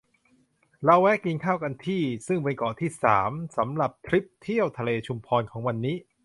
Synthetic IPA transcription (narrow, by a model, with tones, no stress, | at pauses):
ɾa˧wɛ˦˥ki˧nkʰaː˥˩wka˧nt̪ʰiː˥˩sɯ˥˩ŋpe˧nkɔː˨˩t̪ʰiː˥˩sa̰ː˩˦msa˩˦mɾa˨˩p̚t̪ʰɾi˦˥p̚t̪ʰi˥˩əwt̪ʰa˧leː˧t͡ɕʰu˧mpʰɔː˧nkʰɔː˩˦ŋwa˧nːiː˦˥